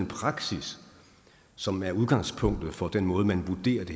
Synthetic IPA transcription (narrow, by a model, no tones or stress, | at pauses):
enpʰʁɑ̈ɡ̥sisː | ɒ̽mæɐuðˠɡ̥ɑ̈ŋspʰɔ̽ŋ̰d̥ð̩ˠfɒ̽d̥enmɔ̽ːð̞̩ˠmænʋud̥e̝̰ːɐd̥e̝